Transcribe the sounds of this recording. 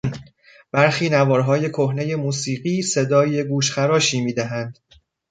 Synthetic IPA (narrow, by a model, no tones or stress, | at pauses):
n | b̥æɾxiːnævɒːɾɦɒːje̞kʰohne̞je̞muːsiːɢiːse̞d̪ɒːjeɡuːʃxæɾɒːʃiːmiːd̪æɦænd̪̥